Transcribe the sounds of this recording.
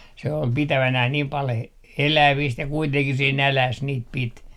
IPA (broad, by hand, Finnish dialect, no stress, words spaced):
se ol pitæʋænæh niːm pɑl he elæʋiːst jɑ kuiteŋkih se nælæs niːt pit